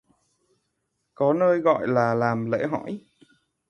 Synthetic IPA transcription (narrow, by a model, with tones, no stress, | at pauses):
kɔ˨˦nəː˧jɣɔ̰˧˨jlaː˨˩laː˨˩mlḛ˧˥ɦɔ˧˩˨j